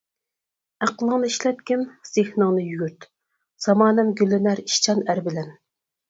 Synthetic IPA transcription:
æqəlˠəŋnɨiʃlɛt̪̚kʲɪnz̥ehnɨŋnɨjyɡʲyɾt̪ | z̥ɑmɑːnɛmɡʲylːɪnæɾiʃt͡ʃʰɑnæɾbɪlɛn

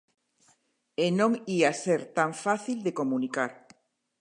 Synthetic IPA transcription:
enõŋiaseɾt̪aɱfaθild̪ekomũnikaɾ

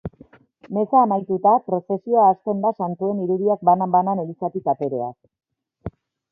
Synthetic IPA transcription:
me̞saːmajt̪ut̪apɾo̞se̞sio̞aːst̪e̞nd̪asant̪ue̞niɾuðiak̚banabananelisat̪ikat̪e̞ɾe̞a̰k

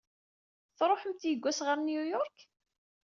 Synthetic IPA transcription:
θɾˤoħəmt̪jəɡʷːæsʁəɾnjujɔɾk

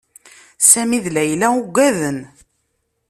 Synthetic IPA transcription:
sæmiðlæjlæuɡʷæðən

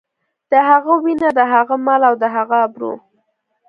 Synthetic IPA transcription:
d̪̥əɦaɣawinad̪əɦaɣamalawd̪əɦaɣaːbɾṵ

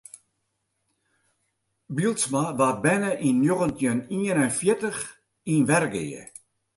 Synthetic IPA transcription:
bilˠtsmaʋabɛnəʔinːjoɣəntjəniənɛnfjɪtəx | inʋɛrɡḛjə̰

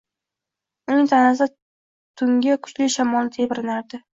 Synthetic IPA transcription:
ʊnɪŋt̪ʰanasɪ | t̪ʰʊŋɡʲɪkʰʊ̥t͡ʃlɪʃamɒlˠnɪt̪ʰebɪɾɪnaɾd̪ɪ

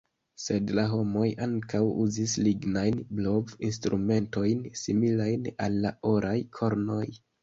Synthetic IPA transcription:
se̞dlaɦo̞mo̞jaŋkawṵzisliɡnajnblo̞vinstɾume̞nto̞jnsimilajnalːaʔoɾʔajkʰo̞ɾno̞j

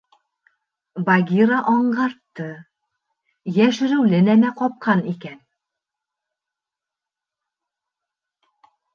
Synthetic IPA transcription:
baɡʲiɾɑʔɒɴɢɑɾt̪ːɤ | jæʃɘ̆ɾɘwlɘ̆næmæqɒp̚qɑnikæn

